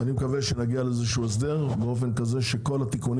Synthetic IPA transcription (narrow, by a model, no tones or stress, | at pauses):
animekaveʃenaɡialeezeʃuːes̬d̪e̞ʁbeo̞fe̞nkaze̞ʃe̞ko̞lat̪ikun